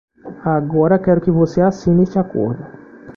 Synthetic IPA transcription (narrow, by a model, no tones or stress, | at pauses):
aɡɔɾɐkɛɾʊkɪvoseasĩnest͡ʃɪako̰ɾd̪ʊ